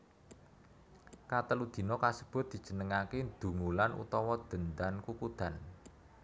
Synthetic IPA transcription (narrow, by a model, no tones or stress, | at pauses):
kat̪əlud̪̥i̤nɔkasəb̥ʊ̤t̪̚d̥̪i̤̥d͡ʒ̥ə̤nəŋaked̪̥ṳŋulanṵt̪ɔwɔd̪̥ə̤nd̪ankukud̪̥a̤n